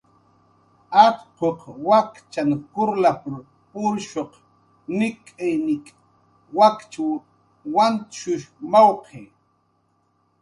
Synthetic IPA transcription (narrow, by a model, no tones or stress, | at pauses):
ɑqqoqwakt͡ʃaŋkʊɾlapʊɾ | ʊɾʃoq | nɪkʼajnɪkʼ | wakt͡ʃaw | want̪ʃʊʃmawqʰeː